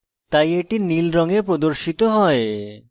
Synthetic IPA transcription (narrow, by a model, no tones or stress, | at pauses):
t̪ajeʈinilɾɔŋepɾod̪oɾʃit̪oɦɔe